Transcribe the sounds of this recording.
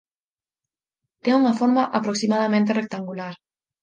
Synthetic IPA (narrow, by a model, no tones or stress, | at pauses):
t̪euŋafoɾmaʔapɾoksimaðamẽnt̪erek̚t̪aŋɡulaɾ